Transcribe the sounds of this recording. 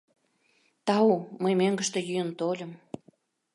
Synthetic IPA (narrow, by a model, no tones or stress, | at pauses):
t̪ɑuməjmøŋɡə̆ʃt̪ĕjyjənt̪olʲə̆m